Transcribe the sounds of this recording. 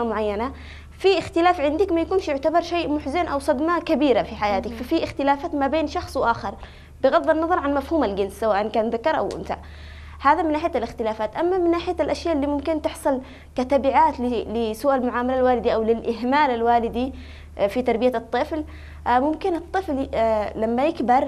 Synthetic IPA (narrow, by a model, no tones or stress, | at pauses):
amʊʕajːana | fiʔɪxt̪ɪlaːfʕɪnd̪ɪkmajakuːnʃjʊʕt̪abɑɾˤʃeːʔmʊħzanʔawsˤɑd̪makabiːɾafiħajaːt̪ɪkfafiʔɪxt̪ɪlaːfaːt̪mabeːnʃɑxsˤwʔaːxɪɾˤ | bɪɣɑd̪ˤːɑnːɑðˤɑɾˤʕanmafhuːmalɡɪnssawaːʔɪnkaːnðakːɑɾˤʔa̰wʔɪ̰nt̪a̰ʔ | haːðamɪnːaːħɪjalɪxt̪ɪlaːfaːt̪ʔamːamɪnːaːħɪjalʔaʃjaːʔɪlːiːmʊmkɪnt̪ɪħsˤɨl | kat̪abɪʕaːt̪lɪlɪsuʔalmʊʕaːmalalwaːlɪd̪iʔawlɪlʔɪɦmaːlalwaːlɪd̪i | fit̪ɑɾˤbɪjat̪ˤːɨfl | mʊmkɪnɨt̪ˤːɨfllamːajɪkbɑɾˤ